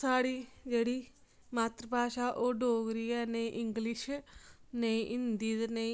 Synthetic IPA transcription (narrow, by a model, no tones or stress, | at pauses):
aːɽiːd͡ʒeːɽiː | maːt̪ɾəpaːʃaːʔoːɖoːɡɾiːɛːnəĩʔɪŋɡlɪʃ | neĩʔɪnd̪iːd̪neĩ